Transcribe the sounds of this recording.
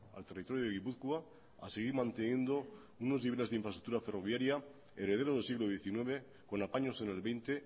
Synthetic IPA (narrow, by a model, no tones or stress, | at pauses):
a̰lt̪e̞rit̪o̞ɾjoðeɣ̞ipuθkwa | a̰seɣ̞iɾmãnt̪enje̞nd̪o̞ | uno̞zniβele̞zðiɱfɾast̪ɾuk̚t̪uɾafe̞ro̞βjaɾja | eɾe̞ð̞e̞ɾoðelsiɣlo̞ð̞je̞θinwe̞β̞e̞ | ko̞napaɲo̞se̞ne̞lβe̞jnt̪e̞